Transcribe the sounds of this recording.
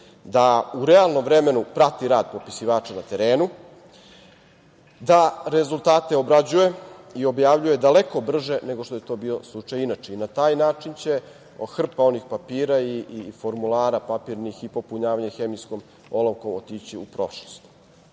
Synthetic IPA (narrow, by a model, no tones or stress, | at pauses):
d̪auɾealˠno̞mvɾeme̞nupɾat̪iɾaːd̪̚po̞pi̥siʋaːt͡ʃanat̪e̞ɾeːnu | d̪aɾe̞zult̪aːt̪e̞obɾad͡ʑuje̞io̞bjaːʋʎuje̞d̪ale̞ko̞br̩ʒe̞ne̞ɡoʃt̪oje̞t̪o̞bioslˠut͡ʃajinat͡ʃeinat̪aːjnaːt͡ʃint͡ɕe̞ | xr̩pao̞nixpapiːɾaifo̞ɾmulˠaːɾapapiɾnixipo̞puɲaːʋaɲexemisko̞m | o̞lˠoʋkomot̪it͡ɕiupɾo̞̰ʃlost̪u̥